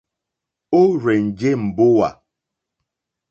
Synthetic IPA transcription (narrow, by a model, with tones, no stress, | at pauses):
o˦ɾe˨n̩˨d͡ʒe˦m̩˨bʊ˦wa̰˨